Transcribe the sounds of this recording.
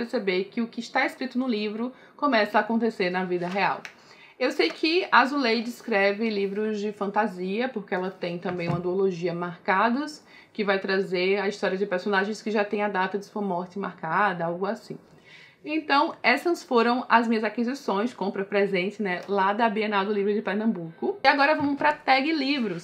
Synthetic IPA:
peɾsebeɾkɪʊkɪʃt̪aeskɾit̪ʊnʊlivɾʊ | kõmɛsɐaːkõnt̪eseɾnɐvid̪ɐɦea̰w | ewsejkʰɪazulejd͡ʒɪskɾɛvɪlivɾʊzd͡ʒɪfɐ̃nt̪aziɐpoɾkeɛlɐt̪ẽj̃t̪ɐ̃mbẽj̃ũmɐd̪uoloʒiɐmaɾkad̪ʊs | kɪvajt̪ɾazeɾɐist̪ɔɾiɐd͡ʒɪpeɾsonaʒẽj̃skɪʒat̪ẽj̃ɐd̪at̪ɐd͡ʒɪsõmɔɾt͡ʃɪmaɾkad̪ɐawɡʊasĩ | ẽnt̪ɐ̃w̃ɛsɐ̃sfoɾɐ̃w̃ɐzmĩɲɐzakizisõj̃skõmpɾɐpɾezẽnt͡ʃɪnɛlad̪ɐbienad̪ʊlivɾʊd͡ʒɪpeɾnɐ̃mbukʊiaɡɔɾɐvɐ̃mʊpɾɐt̪ɛɡɪlivɾʊs

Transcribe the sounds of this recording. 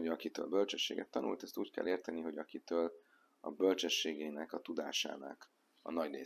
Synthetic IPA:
oɒkit̪ø̰ːlbølt͡ʃɛʃːeːɡɛt̪ːɒnṵlt̪ɛst̪uːckɛ̰lʔeːrt̪ɛniɦo̞ɟɒkit̪øːl | ɒ̰bølt͡ʃɛʃːeːɡeːnɛkɒt̪ud̪a̰ːʃa̰ːnɒ̰k | ɒ̰nɒɟrḛː

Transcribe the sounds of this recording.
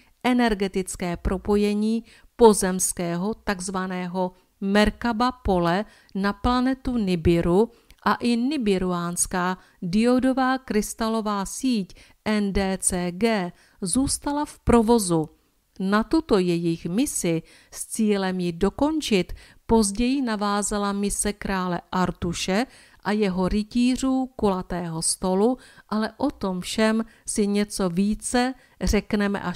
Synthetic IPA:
ʔɛnɛɾɡɛt̪ɪt͡skɛːpɾo̞po̞jɛɲiː | po̞zɛmskɛːɦo̞t̪aɡzvanɛːɦo̞ | mɛɾkabapo̞lɛ | naplanɛt̪unɪbɪɾu | ʔaʔɪnɪbɪɾuaːnskaː | dɪodo̞vaːkɾɪst̪alo̞vaːsiːc | ʔɛndɛːt͡sɛːɡɛː | zuːst̪alafpɾo̞vo̞zu | nat̪ut̪o̞jɛjɪxmɪsɪ | st͡siːlɛmjɪdo̞ko̞nt͡ʃɪt̪ | po̞zɟɛjɪnavaːzalamɪsɛkɾaːlɛʔaɾt̪uʃɛ | ʔajɛɦo̞ɾɪciːr̝uːkolat̪ɛːɦo̞st̪o̞luʔalɛʔo̞t̪o̞mfʃɛmsɪɲɛt͡so̞viːt͡sɛ | r̝ɛknɛmɛ̰ʔa

